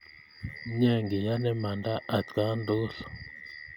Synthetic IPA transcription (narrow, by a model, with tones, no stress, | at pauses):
ɲɛ˦˨ŋɡi˨ja˦nɛ˦ma˨nda˦ʔa˨tka˦ndo˦ɬɔ̥˨